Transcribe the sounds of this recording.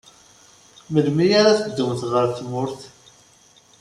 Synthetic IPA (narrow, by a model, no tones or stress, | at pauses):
məlmijaɾaθəd̪ːəmθʁəɾθmʊɾθ